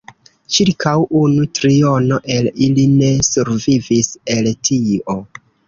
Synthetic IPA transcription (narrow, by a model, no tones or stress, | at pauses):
t͡ʃiɾkʰawunutɾio̞no̞ʔe̞liline̞suɾvivise̞ltʰio̞